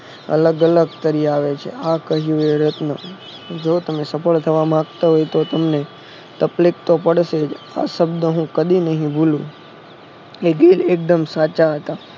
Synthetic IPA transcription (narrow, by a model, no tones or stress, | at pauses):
ə̰ləɡələɡ̚t̪əɾiaʋet͡ʃʰḛakəɦjũeɾət̪nə | d͡ʒot̪əmesəfəɭt̪ʰəʋamãɡt̪aɦojt̪ot̪əmne | t̪əplik̚t̪opəɽʃed͡ʒ | a̰ʃəbd̪əɦũkəd̪inəɦĩbulũ | eɡelek̚d̪əmsat͡ʃaɦət̪a